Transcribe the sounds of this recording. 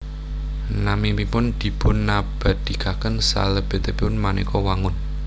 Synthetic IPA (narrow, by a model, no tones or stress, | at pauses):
namimipʊnd̪̥i̤b̥ʊ̤nːab̥a̤d̪̥i̤kakənsa̰ləb̥et̪epiʊnmanekɔwaŋʊn